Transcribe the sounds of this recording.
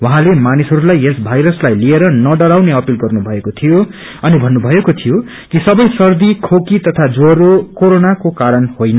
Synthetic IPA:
wʌɦãlemanisɦʌɾulajesbʱajɾʌslajlieɾʌnʌɖʌɾawneʌpilɡʌrnubʱʌekot̪ʰijo | ʌnibʱʌnːubʱʌekot̪ʰijo | kisʌbʌjsʌrd̪ikʰokit̪ʌt̪ʰad͡zoɾokoɾonakokaɾʌnhojnʌ

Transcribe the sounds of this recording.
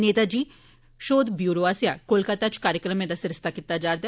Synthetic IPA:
neːt̪ad͡ʒiː | ʃoːd̪bjuːɾoaːsijakolkat̪at͡ʃkaːɾjəkɾəmẽd̪asɪɾɪst̪akɪt̪ːad͡ʒaːɾd̪

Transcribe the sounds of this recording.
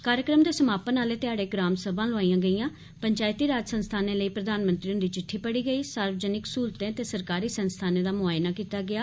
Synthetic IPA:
kaːɾjəkɾəmd̪eːsəmaːpənaːleːt̪ɪaːɽeːɡɾaːmsəbãːlʊaːiːãːɡəiːãː | pəɲt͡ʃaːɪt̪iːɾaːd͡ʒsənst̪ʰaːnẽːləiːpɾəd̪aːnmə̃nt̪ɾiːʊnd̪iːt͡ʃɪʈʰːiːpəɽiːɡəiːsaːɾʋəd͡ʒənɪksuːlt̪ẽːt̪eːsəɾkaːɾiːsənst̪ʰaːneːd̪aːmʊaːɪnaːkiːt̪aːɡɪaː

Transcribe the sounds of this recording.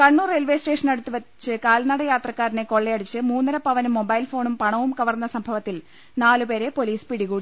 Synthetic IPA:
kɐɳːuːrelʋe̞ːsʈeːʂɐnɐɽut̪ːuʋɐt͡ɕːɨkaːlnɐɽɐjaːt̪rɐkːaːɾineko̞ɭːejɐɽut͡ɕːɨmuːnːɐɾɐpɐʋɐnumːo̞bɐjlfo̞ːɳumpɐɳɐʋumkɐʋɐrnːɐsɐmbʱɐʋɐt̪ːil | naːlupe̞ːɾe̞po̞liːspiɽiɣuːɽi

